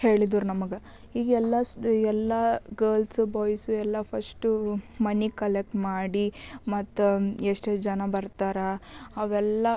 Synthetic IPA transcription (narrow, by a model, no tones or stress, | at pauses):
he̞ːɭid̪uːɾnɐmɐɡɐ | iːɡɛlːɐɛlːɐɡɐːlsubɔːjsuɛlːɐpʰɐsʈumɐnikɐlek̚ʈmaːɽimɐt̪ːueʂʈed͡ʒɐnɐbɐɾt̪aːɾɐɐʋɛlːɐ